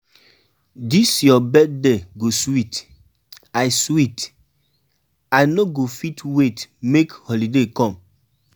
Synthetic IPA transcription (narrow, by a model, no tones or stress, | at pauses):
disjɔbɛd̚deɡoswit | ajswit | ajnoɡofitwetmekhɔlidekɔ̃m